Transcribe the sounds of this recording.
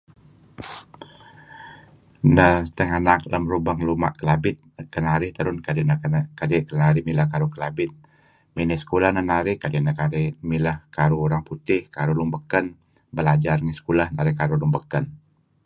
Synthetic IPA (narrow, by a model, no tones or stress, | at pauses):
nət̪əŋanak̚ləmɾubaŋluma̰ʔkəlabɪt̪̚kənaɾɪht̪əɾʊnkadinəkadikənaɾɪhmilahkaɾukəlabɪt̪̚ | minisə̥kulahnənaɾɪhkadinəkaɾɪmiləhkaɾuuɾaŋput̪ɪhkaɾulumbəkən | bəlad͡ʒarŋəsə̥kulahnaɾɪhkaɾulumbəkən